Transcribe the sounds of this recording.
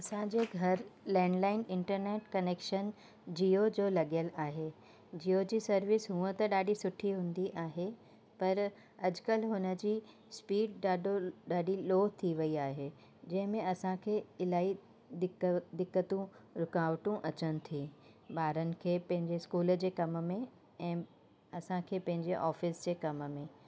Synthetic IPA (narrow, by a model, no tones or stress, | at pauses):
ɐsãd͡ʑeːɡʱɐɾlɛ̃ːɳɖlaːɪnɪ̃ɳʈəɾneːʈkɐneːkʃən | d͡ʑiod͡ʑolɐɠijəlaːɦe | d͡ʑiːod͡ʑiːsɐɾʋɪsɦũːə̃t̪ɐɗaːɗisʊʈʰiɦũːnd̪iʔaːɦe | pɐɾ | ɐd͡ʑkəlɦʊnə̆d͡ʑiː | spiːɖɗaːɗoɗaːɗiloːɦt̪ʰiʋɐiaːɦe | d͡ʑɐ̃ɦɪ̃mẽɐsãkʰeːɪlaːi | ɪd̪ɪkːət̪ũɾʊkaːʋʈũʔɐt͡ɕənɪ̆t̪ʰi | baːɾənɪ̆kʰeːpɐ̃ɦɪ̃ɲd͡ʑeskuːld͡ʑeːkɐmmẽ | ɛ̃ː | ɐsãkʰeːpɐ̃ɦɪ̃ɲd͡ʑeʔɔːfɪsd͡ʑeːkɐmmẽ